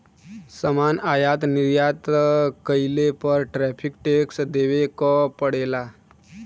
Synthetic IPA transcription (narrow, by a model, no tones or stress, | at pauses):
səmaːnaːjaːt̪nɪɾjaːt̪kəɪlepəɾʈɾɛːpʰɪkʈeːksd̪eːʋekopəɽeːlaː